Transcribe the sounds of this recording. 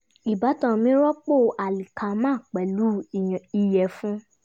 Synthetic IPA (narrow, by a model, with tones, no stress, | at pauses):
i˨ba˨˦tɔ̃˧˨mĩ˦ɾɔ˦k͡po˦˨ʔa˨li˨kʰa˧mãː˦˨k͡pɛ˨lu˨˦˨i˧jɛ˨fũ˦